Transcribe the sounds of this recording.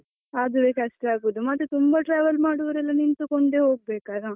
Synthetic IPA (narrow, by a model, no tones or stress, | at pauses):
ad̪uʋeːkɐʂʈɐaːɡuʋud̪umɐt̪ːut̪umbɐʈɾaːʋɐlmaːɽuʋɐɾɛlːɐnint̪ukoɳɖeːɦoːɡ̚beːkaːɡɐ